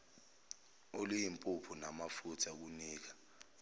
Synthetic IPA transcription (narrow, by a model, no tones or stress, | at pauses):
olijimpʼupʰunamafutʰak̬uniːk̬ḁ